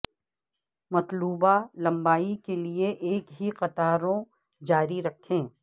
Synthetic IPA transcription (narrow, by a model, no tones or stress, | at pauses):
mɐt̪luːbalɐ̃mbaːikelieʔeːkɦiqɐt̪aːɾõ | d͡ʒaːɾiɾɐkʰẽː